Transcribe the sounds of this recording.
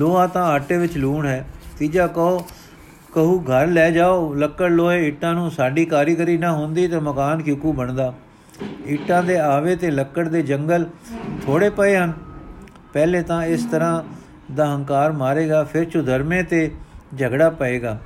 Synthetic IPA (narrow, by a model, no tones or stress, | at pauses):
loːãːt̪ãːaːʈeːʋɪt͡ʃluːɳɦɛːt̪iːd͡ʒaːkəoː | kəɦuːɡʱəɾlɛːd͡ʒaːoːləkːəɽloːeːɪʈːãːnũːsaːɖiːkaːɾjkəɾiːnaːɦõːnd̪iːt̪eːməkaːnkjʊːkuːbəɳd̪aː | ɪʈːãːd̪eːaːʋeːt̪eːləkːəɽd̪eːd͡ʒəŋɡəlt̪ʰoːɽeːpəeːɦən | pɛːleːt̪ãːɪst̪əɾãː | d̪aːɦə̃ŋkaːɾmaːɾeːɡaːpʰɪɾt͡ʃʊd̪ʱəɾmẽːt̪eːd͡ʒʱəɡɽaːpəeːɡaː